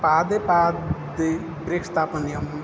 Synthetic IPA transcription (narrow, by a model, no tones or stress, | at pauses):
pad̪epad̪e | pɾekst̪apənijɐm